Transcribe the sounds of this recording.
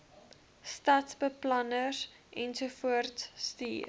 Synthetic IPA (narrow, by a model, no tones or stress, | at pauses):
stɐtsbəplɐnər | ʔɛnsufuərtsːtḭːr